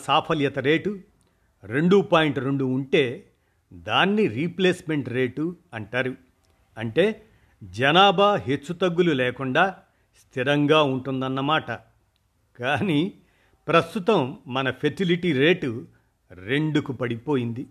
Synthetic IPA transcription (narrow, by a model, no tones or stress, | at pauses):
saːpʰɐljɐt̪ɐɾe̞ːʈu | ɾe̞ɳɖuːpaːjiɳʈɾe̞ɳɖuːɳʈe̞ː | d̪aːnːiɾiːpleːsme̞ɳʈɾe̞ːʈuɐɳʈaːɾu | ɐɳʈe̞ː | d͡ʒɐnaːbaːɦet͡ʃːut̪ɐɡːululɛːkuɳɖaː | st̪ʰiɾɐŋɡaːuɳʈund̪ɐnːɐmaːʈɐ | kaːniː | pɾɐst̪ut̪ɐmːɐnɐpʰesiliʈiɾe̞ːʈu | ɾe̞ɳɖukupɐɽipo̞ːjind̪i